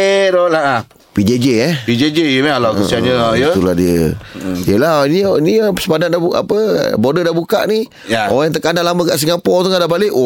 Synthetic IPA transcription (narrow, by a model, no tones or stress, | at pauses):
eɾolaa | pid͡ʒed͡ʒeɛpid͡ʒed͡ʒejəmaalakəiaɲəjəsuladiəjəlaɦninipsəbadandaua̰pə̰bodədahbuka̰ʔni | jaoɣajaŋt̪̬əkandalaməkaʔs̬iŋapɔt̪uŋadabalɪʔ